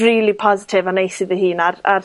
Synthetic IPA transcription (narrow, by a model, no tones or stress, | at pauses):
riːlipʰɔzɪtʰɪvanejsɪðəhiːnarar